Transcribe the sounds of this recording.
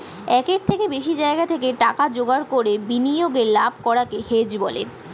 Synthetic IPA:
ɛkeɾt̪ʰekebeʃid͡ʑaeɡat̪ʰekeʈakad͡ʑoɡaɾkoɾebinijoɡeɾlabʱkɔɾakehed͡ʑbɔlḛ

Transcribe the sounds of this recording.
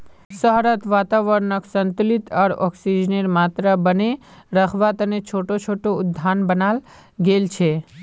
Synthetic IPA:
səɦɾət̪ʋat̪aʋəɾnəksənt̪ulit̪aɽɔ̰ksid͡ʒnəɾmat̪ɾəbəne | ɾəkʰʋat̪ənet͡ʃʰoʈot͡ʃʰoʈoʊd̪ʱːanbənal | ɡelt͡ʃʰe

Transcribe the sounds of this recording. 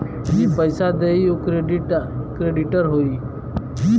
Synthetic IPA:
jipəjsad̪eijukɾeɖiʈkɾeɖiʈəɾɦoiː

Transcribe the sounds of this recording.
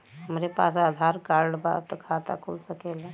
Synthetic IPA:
məɾepa̰s̬aəd̪ʱaɾkaɾɖba̰t̪əkʰat̪a̰kʰulsəkela

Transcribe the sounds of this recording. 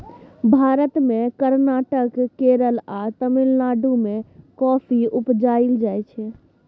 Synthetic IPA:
bʱaːɾət̪mẽkəɾnaːʈəkːeɾəlat̪əmilnaɖumẽkɔpʰiupd͡ʒaild͡ʒajt͡ʃʰɛ

